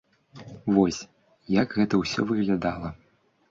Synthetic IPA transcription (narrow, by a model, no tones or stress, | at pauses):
vɔsʲ | jakɣɛt̪ɐwsʲɔ̰vɨɣlʲad̪alˠɐ